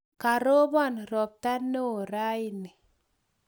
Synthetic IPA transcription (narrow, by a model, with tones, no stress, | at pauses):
ka˨ɾo˦bɔ˦˨nɾɔ˨p̚ta˦no˦˨ɾa˦i˨ni˨